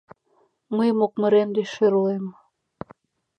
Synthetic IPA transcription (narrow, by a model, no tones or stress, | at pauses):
məjmok̚mə̆ɾemd̪eʃeɾulem